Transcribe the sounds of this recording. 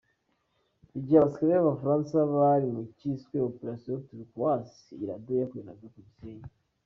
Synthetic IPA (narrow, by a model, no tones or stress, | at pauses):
iɟiasi̥kaɾeaβafaɾaːnsaβaɾimuciskweopeɾasjootuɾikuwas | iiɾadojakuena̰ɡakubiseːɲa